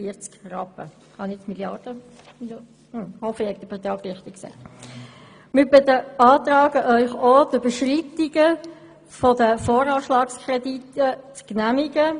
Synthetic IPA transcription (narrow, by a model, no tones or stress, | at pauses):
iəɾt͡skrɑpə̰ | hɑnɪt͡smiljɑɾd̥ə | m | h̩hɔfəhɛk̚d̥̪əbət̪ɑːɡɾɪχt̪ɪksɛ̰ɪ | mɪbɪt̪əɑːt̪rɑːɡəʔœʏχod̥øb̥əʃritiɡə | fɔdəfoːɾɑːʃlɑːkskʰrɛditət͡sknæmiɡə